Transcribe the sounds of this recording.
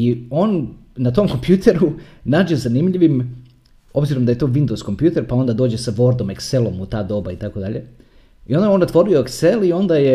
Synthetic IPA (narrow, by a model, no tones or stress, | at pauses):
io̞ːnːat̪o̞mko̞mpjuːt̪ʰe̞ɾunaːd͡ʑe̞zanimʎiʋim | o̞bziɾo̞md̪aje̞t̪o̞ːʋind̪oz̥ko̞mpjuːt̪e̞ɾpao̞nd̪ad̪o̞ːd͡ʑe̞saʋo̞ɾd̪o̞mekselˠo̞mut̪aːd̪o̞ːbait̪ako̞d̪aʎe̞ | io̞nd̪ao̞not̪ʋo̞ɾioekse̞lio̞nd̪aje̞